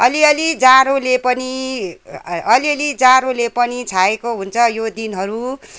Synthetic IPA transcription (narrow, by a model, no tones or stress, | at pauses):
ʌliʌlid͡zaɾolepʌni | ʌliʌlid͡zaɾolepʌnit͡sʰaekoɦunt͡sʰʌjod̪inɦʌɾu